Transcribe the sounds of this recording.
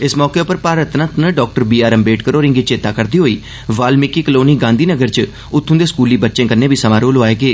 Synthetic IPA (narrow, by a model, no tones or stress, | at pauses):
ɪsmɔːkeːʊpəɾpaːɾət̪nət̪nəɖɔːk̚ʈəɾbiːaːɾəmbeːʈkəɾoːɾɪ̃ŋɡiːt͡ʃeːt̪aːkəɾd̪iːɦoːiː | ʋaːlmɪkiːkəloːniːɡãːnd̪iːnəɡəɾt͡ʃ | ʊt̪ʰːʊ̃nd̪eːskuːliːbətːʃẽːkənːẽːbiːsəmãːɾoːlɦoaːeːɡeː